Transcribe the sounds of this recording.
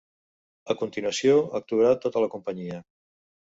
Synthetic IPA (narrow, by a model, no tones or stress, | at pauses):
əkunt̪inwəsioək̚t̪uəɾat̪ot̪ələkumpəɲiə